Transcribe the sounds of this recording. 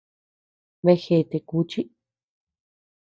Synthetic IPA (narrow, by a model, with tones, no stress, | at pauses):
βe˧xe˧˨t̪e˧ku˧˦t͡ʃi˦